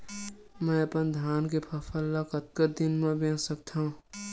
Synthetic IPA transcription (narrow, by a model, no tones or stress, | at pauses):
mə̃əpənd̪ʱankepʰəpʰəlːakət̪̚kəɾd̪inmʌbẽnsək̚t̪ʰaũ